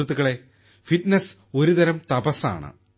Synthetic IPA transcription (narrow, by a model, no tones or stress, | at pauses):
t̪ːuɣɐɭe̞ | fiʈneso̞ɾud̪ɐɾɐmt̪ɐbɐsa̰ːɳɨ̰